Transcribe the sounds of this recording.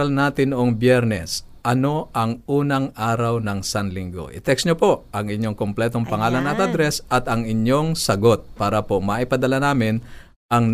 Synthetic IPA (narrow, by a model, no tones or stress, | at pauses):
ɐlnaːt̪ɪnʊʔoŋbjɛɾnɛs | ʔɐno̞ʔɐŋʔuːnɐŋʔaːɾɐwnɐŋsanlɪŋɡo̰ʔɪ̰t̪ɛksɲopo̞ʔɐŋɪɲːo̞ŋkomplɛːt̪o̞ŋpɐŋaːlɐnɐt̪̚ɐd̪ɾɛsɐt̪ɐŋɪɲjo̞ŋsɐɡo̞t̪̚paːɾɐpo̞mɐʔɪpɐd̪ɐlanaːmɪn | ʔɐŋ